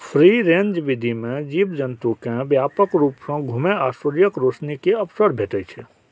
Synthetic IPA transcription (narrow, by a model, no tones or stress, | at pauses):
pʰɾiɾẽɲd͡ʒʋɪd̪ʱimẽd͡ʒiːbd͡ʒənt̪ukẽbjaːpəkɾuːpsə̃ɡʱumeaːsəɾjəkɾosnikeəpsəɾbʱeːʈəjt͡ʃʰɛ